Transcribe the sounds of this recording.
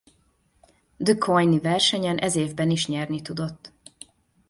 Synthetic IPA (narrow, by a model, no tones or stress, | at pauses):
d̪əkʰojnivɛrʃɛɲɛnʔɛzeːvbɛniʃɲɛrnit̪ud̪o̞t̪ː